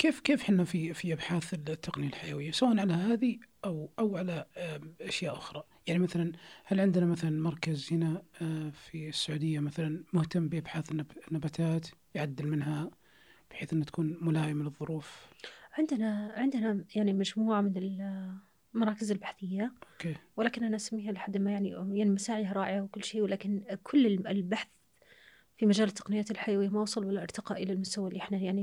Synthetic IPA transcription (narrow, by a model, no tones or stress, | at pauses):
keːfkeːfħɪnːafifiʔabħaːθɪt̪ːaqnɪjalħajawɪjːasawaʔanʕalaɦaːðiʔawʔawʕalaʔaʃjaːʔʊxɾˤɑ | jaʕnimaθalanhalʕɪnd̪ɪnamaθalanmɑɾˤkazhɪnafisːaʕuːd̪ɪjːamaθalanmʊht̪amːbɪʔabħaːθɪnːanːabaːt̪ʰaːt̪jʕad̪ːɪlmɪnɦa | b̥ħeːθʔɪnːat̪ḁkuːnmʊlaːjɪmɪlɨðˤːʊɾuːfʕɪnd̪ɪnaʕɪnd̪ɪnajaʕnimad͡ʒmuːʕamɪnɪl | mɑɾˤɑːkɪzɪlbaħθɪjːaʔokeːwɪlaːkɪnʔanaʔasamːiːhalɪħad̪ːɪlmajaʕnijaʕnimasaːʕɪihaɾˤɑːʔɪʕawkʊlːʃeːwɪlaːkɪnkʰʊlːɪɪlbaħθ | fimad͡ʒaːlɪt̪ːɑqnɪjːaːt̪ɪlħajawɪjːamaʔwsˤɑlwalːaʔɑɾt̪ɑqɑʔɪlalmʊst̪awalːiːʔɪħnajaʕni